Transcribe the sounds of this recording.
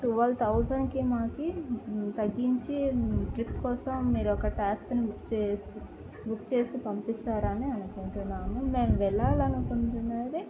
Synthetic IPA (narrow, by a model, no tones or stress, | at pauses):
ʈuʋɐlt̪ʰɐwd͡ʒɐnkimaːkit̪ɐɡːiɲt͡ʃiʈɾipkɔːsɐmːiːɾuɔkɐʈaːksnibukt͡ʃesi | bukt͡ʃe̞ːsipɐmpist̪aːɾɐniɐnukunt̪unːaːmume̞ːmʋɛɭːaːlɐnukuɳt̪unɐd̪i